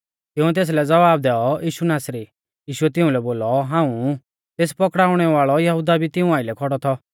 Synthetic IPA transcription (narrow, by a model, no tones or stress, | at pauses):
t̪ɪũt̪̬eːs̬lɛd͡zɐʋaːb̚d̪ɛːɔjiːʃunaːsɾi | jiːʃuɛt̪ɪũlɛboːlɔɦãːũ | t̪eːspɔkɽaːʊɽ̃ɛʋaːɭɔjɐɦud̪abʱit̪ɪũaːɪlɛkʰɔɽɔt̪ʰɔ